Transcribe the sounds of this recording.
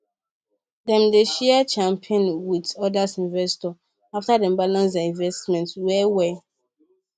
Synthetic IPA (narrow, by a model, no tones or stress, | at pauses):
dɛ̃mdeʃɛt͡ʃãmpʰɔ̃nwitɔdasĩnvɛstɔ | aftadɛ̃mbalãnsdɛĩnvɛstmɛ̃ntwɛwɛ